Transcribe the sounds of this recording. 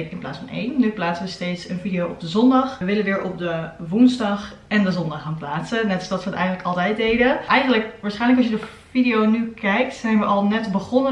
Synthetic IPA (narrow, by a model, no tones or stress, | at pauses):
ɪnplaːtsfɑnḛjnːyplaːtsəʋəstejtsənvidiowɔb̚dəzɔndɑχəʋɪlənʋɪːɹʔɔp̚dəʋunzdɑχ | ɛndəzɔndɑχaːnplaːtsənɛtɑsdɑtsʋəətɛ̰jχəntləkɑlˠtɛjt̚dejdəʔɛjχənləkʋaːɹsχɛjnləkɑsjədə | fidiownykɛjk̚tsɛjnʋəʔɑlˠnɛtbəχɔnə